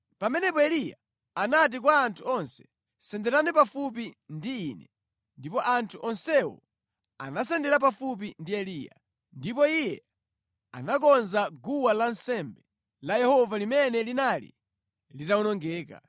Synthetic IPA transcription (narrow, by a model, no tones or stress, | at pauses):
pamɛnɛpɔɛlija̰ | anat̬ik̬waːntʰuɔnsɛ̥ | sɛndɛɾanipafup̬indiːnɛ | ndipɔʔantʰuʔɔnsɛwɔ̰ | a̰nas̬ɛndɛɾap̬afup̬indiɛliːja̰ | ndipɔijɛ | a̰nak̬ɔnzaɡuwalansɛmbɛ | lajɛhɔvalimɛnɛlinalḭ | litaunɔŋɡɛːka̰